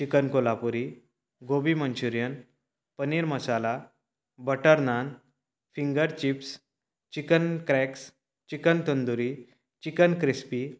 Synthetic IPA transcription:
t͡ɕikənkolapuɾi | ɡobimənt͡ɕuɾjən | pəniːɾməsala | bəʈəɾnan | fiŋɡəɾt͡ɕips | t͡ɕikənkɾɛks | t͡ɕikənt̪ənd̪uɾi | t͡ɕikənkɾispi

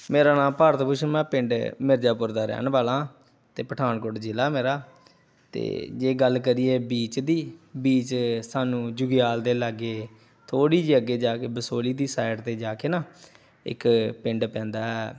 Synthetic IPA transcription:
meːɾaːnãːmpaːɾət̪pʊʃʰmɛ̃ːpɪ̃ɳɖmɪɾd͡ʒaːpʊɾd̪aːɾɛ̰ːnbaːlãː | t̪eːpəʈʰaːnkʊʈd͡ʒɪlaːmeːɾaː | t̪ḛːd͡ʒeːɡəlk̬əɾiːeːbiːt͡ʃd̪iːbiːt͡ʃsaːnũːd͡ʒʊɡɪjaːld̪eːlaɡeː | t̪ʰoːɽiːd͡ʒiːəɡːeːd͡ʒaːkeːbəsoːliːd̪iːsaːɪʈt̪eːd͡ʒaːkeːnaː | ɪ̰kpɪɳɖpɛ̃ːnd̪aːɦɛː

